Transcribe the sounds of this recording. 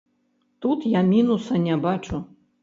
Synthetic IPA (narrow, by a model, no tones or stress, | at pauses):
t̪ut̪jamʲinusɐnʲɛbat͡ʂu